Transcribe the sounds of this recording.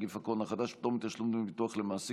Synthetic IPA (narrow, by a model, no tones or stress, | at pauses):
ɡifakonaχad̪aʃpit̪omit̪jaʃlumd̪mivit̪uaχlemaːsi